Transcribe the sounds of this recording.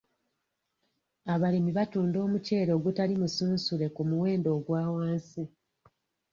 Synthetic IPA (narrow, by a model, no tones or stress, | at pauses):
aβalimiβatuːndo̞ːmuce̞ːɾo̞ːɡutalimusuːnsule̞kumuwe̞ːndo̞ːɡwaːwaːnsi